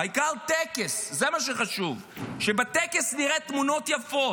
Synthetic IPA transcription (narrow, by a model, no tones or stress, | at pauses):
aikaʁt̪ekeszemaʃeχaʃuv | ʃebet̪ekesniʁet̪muno̞t̪jafo̞